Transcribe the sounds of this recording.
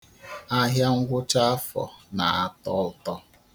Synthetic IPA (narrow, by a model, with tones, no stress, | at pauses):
a˦ɦja˦ŋ̩˦ɡʷʊ˦t͡ʃa˦fɔ̰˨na̰˨a˨tɔ˦ltɔ˦